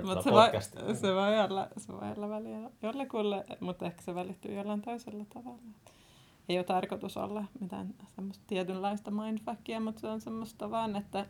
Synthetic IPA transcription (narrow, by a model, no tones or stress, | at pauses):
mut̪seʋoiseʋoiolːɑ̰seʋo̰io̰lːɑʋæliæjolːekulːemut̪ːehkæ̥seʋælit̪ːy̰ːjolːɑint̪oiselːɑt̪ɑʋɑlːɑt̪ | eiot̪ɑrkot̪uso̰lːɑmit̪æ̰nsemːost̪t̪iɛt̪ynlɑist̪ɑmɑind̪fɑkːiɑmut̪seonsemːost̪ɑʋɑːnet̪ːæ